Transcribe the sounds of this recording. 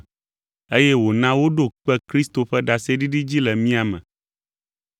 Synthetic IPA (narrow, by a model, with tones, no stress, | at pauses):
e˦jɛ˦wo˨nã˦wo˦ɖo˦k͡pɛ˦kɾi˦st̪o˨ɸɛ˦ɖa˨se˦ɖi˦ɖi˦d͡ʑi˦lɛ˨mĩ˦a˨mɛ̰̃˨